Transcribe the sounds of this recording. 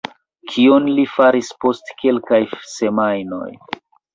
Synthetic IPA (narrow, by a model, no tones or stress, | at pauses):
kʰionlifaɾispo̞stke̞lkajse̞majno̞̰j